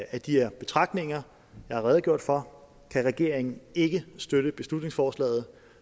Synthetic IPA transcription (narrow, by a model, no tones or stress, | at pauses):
ʔæd̥iæɐb̥e̝t͡sʰʁɑ̈ɡ̥̚d̥ne̝ŋɐ | jɑɪhɑ̈ʁɛːð̞̩ˠɡjo̝ɐ̰d̥fɒ̽ | kʰæʁɛɡ̥e̝ɐ̰eŋn̩e̝ɡ̥əsd̥øɾ̥əb̥e̝slud̥ne̝ŋsfɒːslɛ̰ːð̞̩ˠ